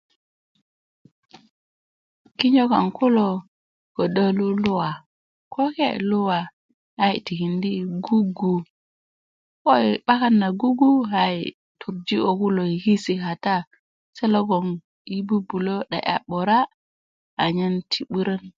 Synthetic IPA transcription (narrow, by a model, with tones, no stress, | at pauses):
ki˦ɲo˦ka˨ŋku˦lo˨ | ko˨da˦lu˦lu˦wa˨ | ko˦kḛ˦˨lu˦wa˨ | ha˦jti˨ki˨ndi˦ɡu˦ɡu˨ | ko˦i˨ɓa˦ka˦nːa˨ɡu˦ɡu˦ɦa˦ḭ˨ | tʰu˨ɾd͡ʒi˦o˨ku˦lo˨i˨ki˦si˨ka˨ta˦ | se˦lo˦ɡo˨ŋ | i˦bu˦bu˨lo˦ɗa̰˨ʔa̰˨ɓo˨ɾa˦ | a˨ɲə˦ntʰi˨ɓu˦ɾə˦n